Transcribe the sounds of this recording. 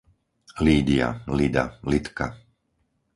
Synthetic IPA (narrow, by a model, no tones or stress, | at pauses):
liːd̪ia̰lid̪a̰lit̪ka